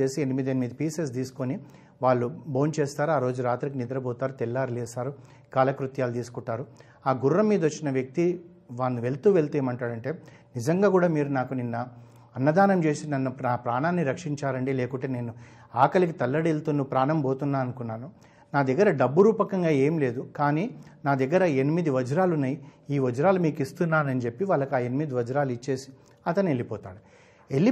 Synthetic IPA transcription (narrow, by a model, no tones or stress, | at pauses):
eːsienimid̪enimiːd̪ɐpiːses̬d̪iːsu̥koni | ʋaːɭːubo̞ːnt͡ʃe̞ːst̪aːɾuaːɾo̞ːd͡ʒuɾaːt̪ɾik̬inid̪ɐɾɐbɔːt̪aːɾut̪ɛlːaːɾilɛːsaːɾu | kaːlɐkɾut̪jaːlut̪iːsu̥kuɳʈːaːɾu | aːɡuɾːɐmːiːd̪ɐʋot͡ʃːinɐʋjɐk̚t̪i | ʋaːnːuʋe̞ɭt̪uːʋe̞ɭt̪eːmɐɳʈaːɽɐɳʈe̞ː | nid͡ʒɐŋɡaːkuːɽaːmiːɾunaːkuninːɐ | ɐnːɐd̪aːnɐmt͡ʃe̞ːsinɐnːunaːpɾaːnaːnːiɾɐkʂiɲt͡ʃaːɾɐɳɖileːkuʈeːne̞ːnu | aːkɐlik̬it̪ɐlːɐɽelt̪unːupɾaːnɐmboːt̪unːaːɐnukunːaːnu | naːd̪ɐɡːɐɾɐɖɐbːuɾuːpɐkɐŋɡaːe̞ːmile̞ːd̪ukaːniːnaːd̪ɐɡːɐɾɐenimid̪iʋɐd͡ʒuɾaːlunːɐjiːʋɐd͡ʒuɾaːlumiːkist̪unːaːnɐnit͡ʃepːiʋaːlːɐkaːe̞nimid̪iʋɐd͡ʒuɾaːluit͡ʃːe̞ːsi̥ | ɐt̪ɐne̞lːipɔːt̪aːɽu | e̞lːi